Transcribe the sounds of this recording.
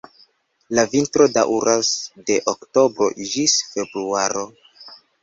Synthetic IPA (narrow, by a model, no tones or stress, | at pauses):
lavintɾo̞dawɾasde̞ʔokto̞bɾo̞̰d͡ʒisfe̞bɾuaɾo̞